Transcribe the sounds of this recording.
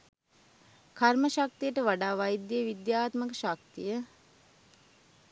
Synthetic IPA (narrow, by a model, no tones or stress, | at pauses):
kʰaɾməʃak̚t̪ijəʈəʋaɖaːʋajd̪ːjiəʋid̪jaːt̪məkəʃak̚t̪ijə